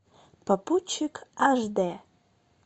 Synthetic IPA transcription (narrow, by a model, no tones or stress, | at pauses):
pʰapʰut͡ʃʰːɪkʰaʐd̪a